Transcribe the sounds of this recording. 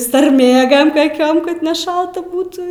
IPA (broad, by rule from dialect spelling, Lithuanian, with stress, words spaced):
sɐrʲˈmʲeːɡɐm kɐˈkʲoːm kɐt nʲɛˈʃɐlˠtɐ ˈbuːtuː